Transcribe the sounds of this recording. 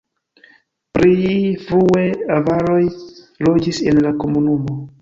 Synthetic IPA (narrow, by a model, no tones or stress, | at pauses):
pɾifɾueavaɾo̞j | lo̞d͡ʒise̞nlako̞munumo̞